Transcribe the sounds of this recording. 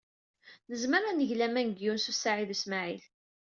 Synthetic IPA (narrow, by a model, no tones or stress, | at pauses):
nəzməɾanəʝlæmænəɡjunsusːaʕiðusmaʕil